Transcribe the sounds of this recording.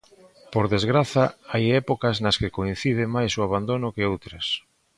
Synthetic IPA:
poɾðezɣɾaθɐajɛpokɐznɐskekoin̟θið̞ɪmajsoaβand̪onʊkeowt̪ɾɐs

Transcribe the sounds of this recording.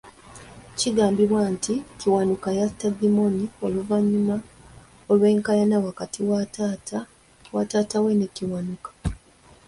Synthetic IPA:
ciɡaːmbiβwaːntʰiciwanukajastadimo̞nio̞luvaɲːuma | olwe̞ːŋkajanawakatʰiwatt | watatawe̞neciwanukḁ

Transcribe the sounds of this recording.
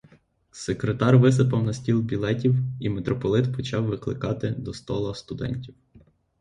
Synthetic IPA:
sekɾet̪ɑrʋɪs̬ɪpɐwnɐsʲtʲilˠbʲilˠɛtʲiwimet̪ɾɔpɔlˠɪt̪pɔt͡ʃɑwːɪklˠɪ̰kɑt̪ɪd̪ɔst̪ɔlˠɐst̪ʊd̪ɛ̰nʲtʲiw

